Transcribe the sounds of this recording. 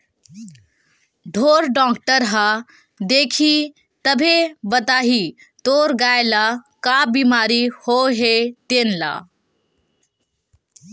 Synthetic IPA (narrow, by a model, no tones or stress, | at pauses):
ɖʱoːɾɖɔːkʈəɾɦa | d̪eːkʰi | t̪əbʱebət̪aːɦi | t̪oːɾɡaːelakabiːmaːɾihoɦet̪eːnla̰ː